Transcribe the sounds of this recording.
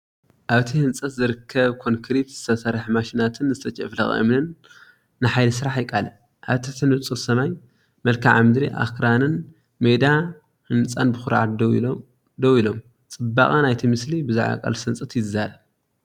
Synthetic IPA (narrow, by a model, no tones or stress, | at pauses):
ʔaβt̪ʰihɨnt͡sʼɐt̪zɨɾɨkʰːɐβkʰo̞ŋkʰɾit̪z̥ɨt̪ʰɐsɐɾħmaʃinat̪ʰɨnzɨt̪ʰɐt͡ʃʼɐ̰flɐxʼɨ̰mnɨnː | ɨħajlɐsɨɾaħjɪkʼalɐ | ʔaβt̪ʰɐt̪ʰɨnɨt͡sʼɨlsɐmaj | mɐlkʰaʕamɨd̪ɾiʔa̰kɾanɨn | med̪a | hɨnt͡sʼanbɨxuɾʕa̰t̪d̪ | d̪owilo̞m | t͡sʼɨbːa̰kʼanajt̪ʰimɨslibɨzaʕa̰kʼɐ̰lsɨnt͡sʼɐt̪jɪzaɾɐβ